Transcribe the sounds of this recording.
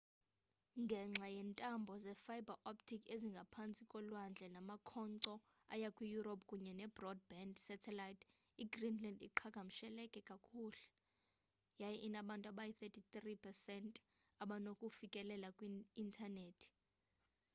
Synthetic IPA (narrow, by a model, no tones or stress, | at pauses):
ŋɡʱɛŋ͡ǁʱajɛntʼambʱɔzɛfajbʱaʔoptʰikʰeziŋɡʱapʰant͡sʼikʼɔlwand͡ɮʱɛnamakʰɔnǀɔ | a̰jakʼwijuɾopʰʼkʼuɲɛnɛbrɔd̚bɛndsɛtʰɛlajtʰ | iɡrinlandḭǃʰaɡ̥ʱam̩ʃɛlɛkʼɛkʼakʰuːlɛ | jajɛʔinaɓantʼuaɓajiθɛtʰit̪ripʰɛsɛntʼ | aɓanokʼufikʼɛlɛlakʼwiintʰaneːtʰi̥